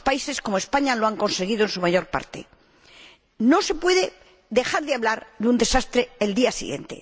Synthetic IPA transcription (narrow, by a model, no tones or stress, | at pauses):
spaise̞sko̞moe̞spaɲaloaŋko̞nse̞ɣið̞oensumaʝo̞ɾpa̰ɾt̪e̞̰ | no̞se̞pwe̞ðe̞ | ðe̞xaɾðeaβlaɾðeund̪e̞sast̪ɾeːld̪iasḭɣje̞̰nt̪e̞̰